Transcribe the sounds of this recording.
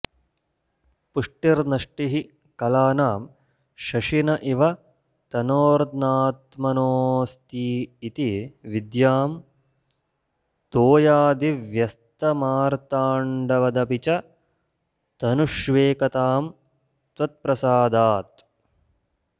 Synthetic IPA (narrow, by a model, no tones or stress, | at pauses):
puʂʈiɾnɐʂʈiɦi | kɐlaːnaːm | ʃɐʂinɐʔiʋɐ | t̪ɐnoːɾd̪naːt̪mɐnoːst̪iːt̪iʋid̪jaːm | t̪oːjaːd̪iʋjɐst̪ɐmaːɾt̪aːɳɖɐʋɐd̪ɐpit͡ʃɐ | t̪ɐnuʃʋeːkɐt̪aːm | t̪ʋɐt̪̚pɾɐsaːd̪aːt̪